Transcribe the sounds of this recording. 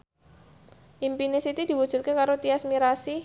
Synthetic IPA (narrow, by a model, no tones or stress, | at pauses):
ʔimpinesit̪id̪̥i̤wud̥ʒ̥ṳt̪̚kekaɾot̪iasmiɾasi